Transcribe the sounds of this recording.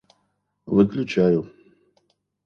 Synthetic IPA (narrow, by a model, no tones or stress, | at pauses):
vɨklʲut͡ʃʰaːju